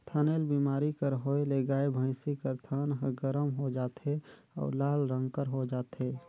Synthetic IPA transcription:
t̪ʰəneːlbiːmaːɾikəɾɦoːeleːɡaːebʱə̃ːɪ̃sikəɾt̪ʰənɦɡəɾəmɦod͡ʒaːt̪ɦe | ɔ̰ːɾlaːlɾə̃ŋɡkəɾɦod͡ʒaːt̪ɦeː

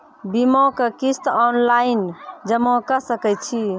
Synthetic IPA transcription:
bimõkekist̪ɔnlajnd͡ʒəmɔ̃kəsəkɛt͡ʃʰi

